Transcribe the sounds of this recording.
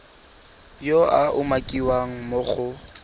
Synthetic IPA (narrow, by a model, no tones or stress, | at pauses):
joaʔʊmakʼiwaŋ̩moχʊ